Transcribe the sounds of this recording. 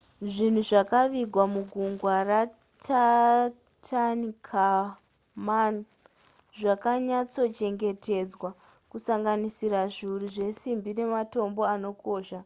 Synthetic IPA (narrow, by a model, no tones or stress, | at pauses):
ʐin̤uʐakaʋiɡʱwamuɡʱuŋɡwara | tʰa | tʰanikʰa | man | ʐakaɲat͡so̞t͡ʃe̞ŋɡe̞tʰe̞d͡zwa | kusaŋɡanisiɾaʐiuriʐe̞simbine̞mato̞mbo̞ano̞ko̞ːʃa